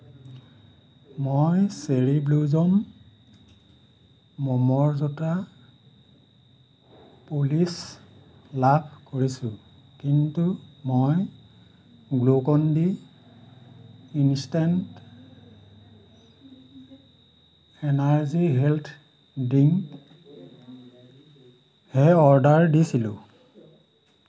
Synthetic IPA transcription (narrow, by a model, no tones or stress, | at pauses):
mojseɹibluzɔm | ɔmɔɹzɔta | polis | labʰkoɹisʊ̃ | kintumoj | ɡlokɔndi | instant | ɛnaɹziɦeltʰ | diŋ | hɛɔɹdaɹdisilʊ̃